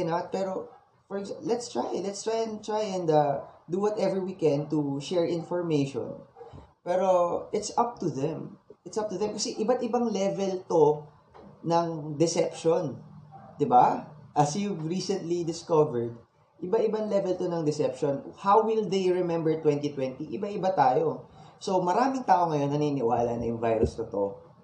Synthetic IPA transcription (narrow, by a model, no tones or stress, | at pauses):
nat̪̚pɛːɾo | fɔɹɛɡalɛt̪st̪ɹajlɛt̪st̪ɹajɛ̃nt̪ɹajɛ̃nd̪ɐd̪uwɔt̪ɛvɛɹwikɛ̃nt̪uʃɛɹʔɪ̃nfɔɹmejʃɔ̰̃npɛːɾoʔɪt̪sʔɐp̚t̪uðɛ̃mʔɪt̪sɐp̚t̪ʊðɛmkɐsɛʔɪbat̪ʔɪbaŋlɛvɛlt̪o | nɐŋd̪ɛsɛpʃond̪ɪbaʔɐsjuvɹiːsɛ̃nt̪lid̪ɪskɐvɛɹd̪̚ | ʔɪbɐʔɪbɐŋlɛvɛlt̪onɐŋd̪ɛsɛp̚ʃonhawwɪld̪ejɹɛmɛ̃mbɛɹt̪wɛnt̪it̪wɛnt̪iʔɪbɐʔɪbat̪aːjo̞so̞mɐɾaːmɪŋt̪aːʔoŋɐjo̞nːɐnɪnɪwa̰ːlanɐjʊŋvajɾʊst̪ot̪o